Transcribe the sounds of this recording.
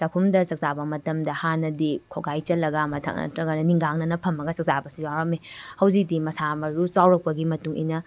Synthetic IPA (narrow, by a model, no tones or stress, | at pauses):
t͡ʃɐkʰumdɐt͡ʃɐk̚zabɐmɐtɐmdɐhanɐdikʰoɡajt͡ʃɐlːɐɡɐmɐtʰa̰k̚nɐ̰tɾɐɡɐnɐniŋɡaŋnɐnɐpʰɐmɐɡɐt͡ʃɐk̚zabɐsijawɾɐmehɐwzik̚dimɐsamɐɾut͡ʃawɾɐk̚pɐɡimɐtuŋʔḭnɐ